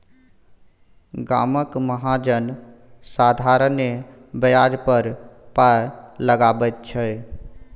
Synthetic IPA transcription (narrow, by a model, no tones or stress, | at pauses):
ɡa̰məkməɦad͡ʒən | sad̪ʱaɾəne | bəjad͡ʒpəɾpajləɡabət̪̚t͡ʃʰɛ